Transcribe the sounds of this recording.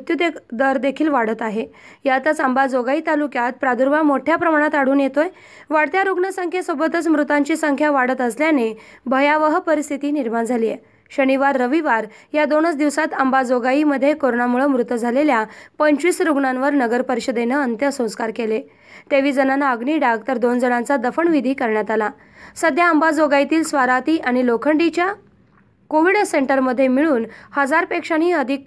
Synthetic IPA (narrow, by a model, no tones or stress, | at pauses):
ut̪jud̪ekd̪əɾd̪ekʰiːlʋaɽət̪aɦe | jat̪ət͡sambad͡zoɡait̪alukjat̪̚pɾad̪uɾbamoʈʰjapɾəmaɽ̃at̪aɽ̤uːnjet̪oj | ʋaɽt̪jaɾuɡɳəsəŋkʰesobət̪ət͡smɾut̪aɲt͡ɕiːsəŋkʰjaʋaɽət̪əsljanebʱəjaʋəɦpəɾist̪ʰit̪iːniɾmaɳd͡zʱaliːje | ɕəniʋaɾːəʋiʋaɾjad̪onət͡sd̪iʋsat̪ambad͡zoɡaiməd̪ʱːjekoɾoɳamuɭəmɾut̪əd͡zʱaleljapəɲt͡ɕiːsɾuɡɳãnʋəɾnəɡəɾpəɾiɕəd̪enəənt̪jəsə̃w̃skaɾkele | t̪eʋiːd͡zənanaəɡɳiːɖaɡ̚t̪əɾd̪ond͡zəɽãnt͡sad̪əfəɳʋid̪ʱiːkəɾɳjat̪ala | səd̪ʱjaəmbad͡zoɡait̪iːlsʋaɾat̪iːʔaɽ̃ilokʰəɳɖit͡ɕja | koʋiɽseɳʈəɾməd̪ʱːjemiɭuːnhəd͡zaɾpekʂañiːəd̪ʱik